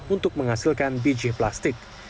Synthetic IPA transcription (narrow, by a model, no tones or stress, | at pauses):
unt̪ʊk̚məŋasɪlkanbid͡ʒihplast̪ɪk̚